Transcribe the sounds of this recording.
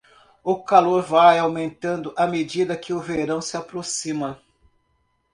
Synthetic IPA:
ʊkaloɾvajawmẽnt̪ɐ̃nd̪ʊʔɐmed͡ʒid̪ɐkɪʊveɾɐ̃w̃sɪapɾosĩmɐ

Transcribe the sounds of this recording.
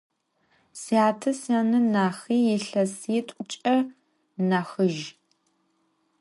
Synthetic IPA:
siaːtʰɨsɐnɨnaːxiːjɪɬɐsiːtʷʼʊt͡ʃʼɐ | naxɨʒ

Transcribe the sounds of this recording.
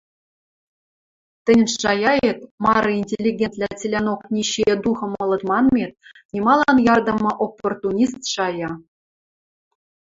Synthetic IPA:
t̪ʲɘ̆nʲɘ̆ɑjɑjet̪̚mɑɾɤ̆inʲtʲelʲːiɡʲenʲt̪ʲlʲæt͡sʲilʲænoknʲiɕid̪uχɤ̆mɤ̆lˠɤ̆t̪mɑnmʲet̪̚ | nʲimɑlˠɑnjɑrd̪ɤ̆mɤ̆ʔopːort̪unʲist̪ʂɑjɑ

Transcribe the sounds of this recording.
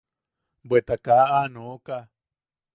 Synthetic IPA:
bwet̪akaʔanoka

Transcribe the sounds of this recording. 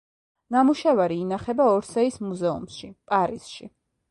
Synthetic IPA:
namuʃavaɾiːnaχɛbaɔɾsɛismuzɛṵmʃipʼaɾisʃḭ

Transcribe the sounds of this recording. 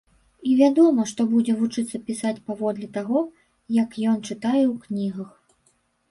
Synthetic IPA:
ivʲad̪ɔmɐʂt̪ɔbud͡zʲɛvut͡ʂɨt̪sːɐpʲisat͡sʲpavɔd̪lʲɛt̪aɣɔ | jɐkjɔnt͡ʂɨt̪ajɛwknʲiɣɐx

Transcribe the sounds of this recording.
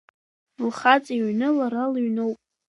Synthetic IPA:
lχat͡sʼiɥnɨlaɾaliɥnowpʼ

